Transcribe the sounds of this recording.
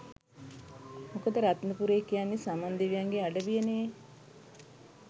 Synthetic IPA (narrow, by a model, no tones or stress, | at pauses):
mokəd̪əɾat̪nəpuɾeːkijanːisamand̪eʋijaŋɡeaɖəbijənee